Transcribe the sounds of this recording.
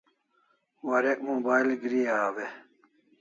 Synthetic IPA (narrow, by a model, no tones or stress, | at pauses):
wɐɾek̚moːbaːilɡɾiaːwe